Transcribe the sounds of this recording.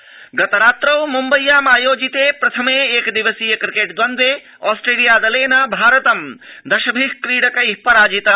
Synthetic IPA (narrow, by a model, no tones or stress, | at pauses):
ɡɐt̪ɐɾaːt̪ɾɐwmumbɐjːaːmaːjoːd͡ʒit̪eːpɾɐt̪ʰɐmeːeːkd̪iʋɐsiːjɐkɾikeːʈd̪ʋɐnd̪ʋeː | aːsʈɾeːlijaːd̪ɐleːnɐbʱaːɾɐt̪ɐmd̪ɐʃɐbʱiɦkɾiːɽɐkɐipɐɾaːd͡ʒit̪ɐ